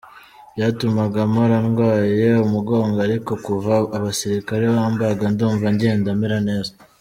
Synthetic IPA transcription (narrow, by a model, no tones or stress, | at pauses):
jaːtumaɡamoɾanɡwaːje̞umuɡo̞ːŋɡoaɾiko̞kuvaːβasiɾikaɾe̞βaːmbaɡanduːɱvaɲɟe̞ːndamiɾane̞ːza